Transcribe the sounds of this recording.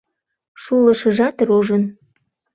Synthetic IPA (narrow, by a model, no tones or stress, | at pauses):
ʃulə̆ʃə̆ʒɑt̪ɾoʒən